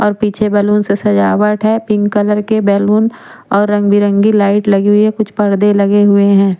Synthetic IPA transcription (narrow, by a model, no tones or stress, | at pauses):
ɔːɾpiːt͡ʃʰebɛːluːnsesɐd͡ʒaːwəʈɦɛpɪ̃ŋɡkələɾkebɛːluːn | ɔːɾːɐ̃ŋɡbiɾə̃ŋɡilaːɪʈlɐɡeɦekʊt͡ʃʰpɐɾd̪elɐɡeɦʊeɦɛ̃ː